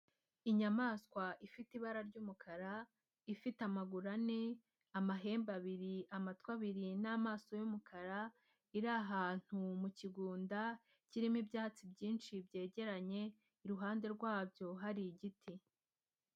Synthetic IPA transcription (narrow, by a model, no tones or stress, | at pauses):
iɲamaːskwaifitiβaɾaɾɟuːmukʰaɾa | ifitamaɡuɾane | amaɦe̞ːmbaβiɾiamatkwaβiɾinaːmaːso̞jumukʰaɾa | iɾaɦaːn̥humuciɡuːnda | ciɾimibjaːt͡sibɟiːnʃibɟe̞ːɟe̞ɾaɲe̞ | iɾuɦaːnde̞ɾɡwaːbjo̞ɦaɾiɟitʰi